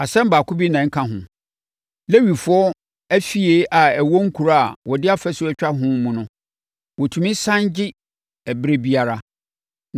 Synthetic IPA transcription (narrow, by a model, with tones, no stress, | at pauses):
a˨sɛ̃˦m˦baː˨kʊ˦bi˦nã˨˦ŋ̩˦kʰã˦˨ɦʊ̃˨ | le˦ɥi˨fʊ˦ɔ˦ | æ˦fi˦e˦ʔa˨æ˨wɔ˦ŋ̩˦kʰu˨ɾa˦˨wɔ˨dɪ˦a˦fɛ˦sʊ˦ɛ˦t͡ɕᶣa˦ɦʊ̃˦mũ˨nʊ̃˦ | wɔ˨tʰũ˨mĩ˦sã˦nd͡ʑɪ˦ | ɛ˨bɾe˦bi˦a˨ɾa˦